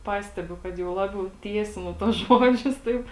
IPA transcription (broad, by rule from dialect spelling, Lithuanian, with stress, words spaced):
ˈpɑːsʲtʲɛbʲʊ kɐt jɛʊ ˈlˠɑːbʲɛʊ ˈtʲiɛsʲɪnʊ tuɔs ˈʒoːd͡ʒʲʊs ˈtɐɪp